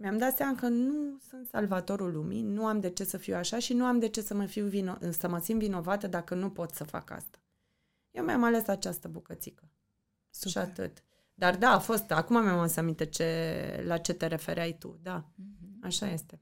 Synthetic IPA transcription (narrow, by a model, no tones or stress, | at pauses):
meamd̪at̪seamakənusunt̪sa̰lvat̪o̞ɾulumḭnuamd̪e̞t͡ʃe̞səfiwaʃaʃinuamd̪e̞t͡ʃe̞səməfiwvinosəməsimvino̞vat̪əd̪akənupo̞t̪səfa̰ka̰st̪ḁ | jewmjamale̞sat͡ʃast̪əbukət̪sikə | ʃat̪ɨ̰t̪ | d̪ard̪aːfo̞st̪akumamamosamint̪et͡ʃe̞lat͡ʃe̞t̪e̞ɾe̞fe̞ɾeajt̪ṵd̪aaʃaje̞st̪e̞